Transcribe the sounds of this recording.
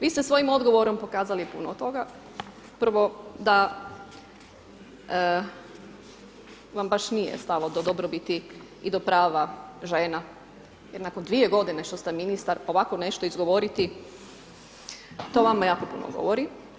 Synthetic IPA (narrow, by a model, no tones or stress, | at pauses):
ʋiːst̪e̞sʋo̞jimo̞d̪ɡo̞ʋo̞ɾo̞mpo̞kaːzalipunot̪o̞ɡa | prɾʋo̞d̪a | ʋambaʃnijḛst̪alod̪od̪obɾobit̪i | id̪o̞pɾaːʋaʒe̞ːna | jeɾnako̞nd̪ʋieɡo̞d̪ineʃt̪ost̪eminist̪aɾo̞ʋako̞ne̞ʃt̪o̞izɡo̞ʋoɾit̪i | t̪o̞ʋamajaːko̞pṵno̰ɡo̰ʋoɾi